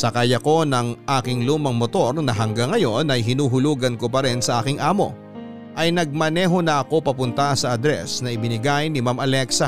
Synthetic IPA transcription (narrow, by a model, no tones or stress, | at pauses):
sɐkaːjɐko̞nɐŋʔaːkɪŋluːmɐŋmot̪o̞ɾnɐɦɐŋɡaŋːɐjo̞nɐjɦɪnuːɦʊluːɡɐnko̞pɐɾɛnsɐʔaːkɪŋʔaːmo̞̰ | ʔɐjnɐɡ̚mɐnɛɦo̞nɐʔɐko̞pɐpʊnt̪ɐsɐɐd̪ɾɛ̰snɐɪbɪnɪɡajnɪmamɐlɛksɐ